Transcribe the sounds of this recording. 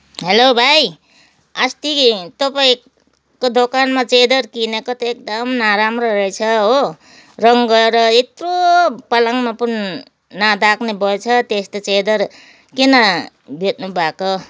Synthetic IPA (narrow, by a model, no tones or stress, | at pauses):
ɦelobʱaj | ast̪it̪ʌpaĩ | kod̪okanmat͡sed̪ʌɾkinʌkʌt̪iek̚d̪ʌmnaɾamrʌɾʌet͡sʰʌɦo | rʌŋɡʌeɾʌet̪ropʌlaŋmapun | nad̪akʰnebʱʌet͡sʰʌt̪est̪ot͡sed̪ʌɾ | kinʌ | bʱet̪nubʱako